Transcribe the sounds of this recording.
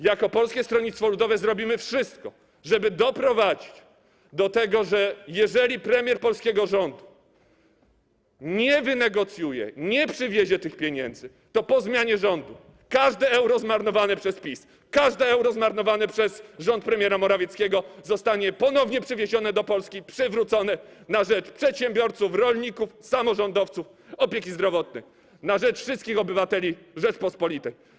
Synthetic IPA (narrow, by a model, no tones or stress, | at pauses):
jakɔpɔlskʲɛst̪ɾɔɲit̪t̪fɔlud̪ɔvɛzɾɔbʲimɘfʂɘst̪kɔ | ʐɛbɘd̪ɔpɾɔvad͡ʑit͡ɕ | d̪ɔt̪ɛɡɔʐɛjɛʐɛlʲipɾɛmʲjɛɾpɔlskʲɛɡɔʐɔnd̪u | ɲɛvɘnɛɡɔt̪sʲjujɛ̰ɲɛpʂɘvʲjeʑɛt̪ɘxpʲjeɲɛ̰nd̪zɘ | t̪ɔpɔzmʲjaɲɛʐɔnd̪u | kaʐd̪ɛɛwɾɔzmaɾnɔvanɛpʂɛspʲis | kaʐd̪ɛɛwɾɔzmaɾnɔvanɛpʂɛsʐɔnt̪̚pɾɛmʲjɛɾamɔɾavʲjɛt̪skʲɛɡɔzɔst̪aɲɛpɔnɔvɲɛpʂɘvʲjeʑɔnɛd̪ɔpɔlskʲipʂɘvɾut̪sɔnɛnaʐɛt͡ʂpʂɛt̪ɕɛmbʲjɔɾt̪sufɾɔlʲɲikufsamɔʐɔnd̪ɔft̪suf | ɔpʲjekʲizd̪ɾɔvɔt̪̚nɛj | naʐɛt͡ʂfʂɨst̪kʲixɔbɘvat̪ɛlʲi | ʐɛt͡ʂpɔspɔlʲit̪ɛj